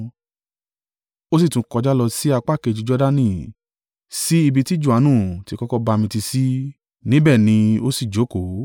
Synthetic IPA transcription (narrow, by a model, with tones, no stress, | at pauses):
o˦si˦˨tũ˧˦kɔ˧d͡ʒa˦lɔ˧si˦a˧k͡pa˦˨ke˨˧˨d͡ʒu˨˧˦d͡ʒɔ˦da˦nĩ˦˨ | si˦i˧bi˧ti˦d͡ʒu˦˨a˨˦nũ˦˨ti˦kɔ˦kɔ˦ba˧mĩ˧ti˧si˦ | nĩ˦bɛ˦˨nĩ˧o˦si˦˨d͡ʒo˨˦ko˨˦